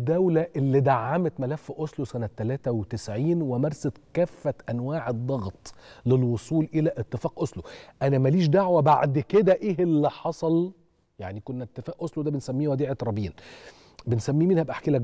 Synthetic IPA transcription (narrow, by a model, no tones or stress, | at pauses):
d̪ːæwlæʔelːid̪aʕːamet̪mælæfːʔosˤlosænæt̪ːælæːt̪æwet̪esʕiːnwemæɾˤsæt̪kæːfːæt̪ʔænwaːʕed̪ˤːɑɣt̪ˤlelwosˤuːlʔelæʔet̪ːefæːʔʔosˤloʔænæmæliːʃ̬d̪aʕwæba̰ʕd̪ked̪æʔeːelːiħɑsˤɑl | jaʕnikonːæet̪ːefæːʔʔosˤlod̪æbensæmːiːwæd̪iːʕet̪ɾˤɑbiːn | bensæmːiːminhæbʔaħkielæk